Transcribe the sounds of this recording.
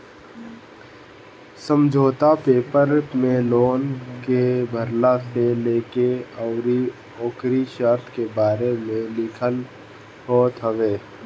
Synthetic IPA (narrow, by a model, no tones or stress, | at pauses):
səmd͡ʒʱoːt̪apeːpəɾmẽloːnkebʱəɾlaseleːkeəʊɾi | ɔːkɾiʃəɾt̪ʰkebaːɾemẽlɪkʰəl | ɦoːt̪ɦəʋeː